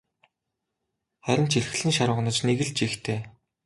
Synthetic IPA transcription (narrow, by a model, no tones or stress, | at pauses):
χæɾʲɪ̆nt͡ɕʰiɮ̆xɘ̆ɮɘ̆nʃaɾʊ̆ʁ̆nə̆t͡ɕneɣɘ̆ɮt͡ɕixt̪ʰeː